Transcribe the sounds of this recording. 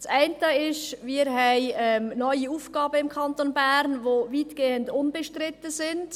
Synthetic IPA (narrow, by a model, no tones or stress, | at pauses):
sɛɪntəɪʃʋɪːɾɦɛɪɛmnɔʏiuːfɡ̥ɑːbəɪmkʰɑntonbæːɾnʋoviːtɡ̥eːəndʊnbɛʃtrɪtːəsɪnd